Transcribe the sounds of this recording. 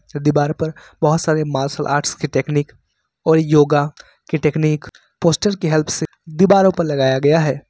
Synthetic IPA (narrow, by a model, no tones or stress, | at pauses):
d̪ɪbaːɾpɐɾbɐɦʊt̪saːɾemaːɾsəlʔa̰ːɾʈskiʈeːkniːk | ɔːɾjoːɡa | keʈeːkniːk | poːsʈəɾkeɦɛlpʰse | d̪ɪbaːɾõpɐɾlɐɡaːjaɡɐjaɦɛː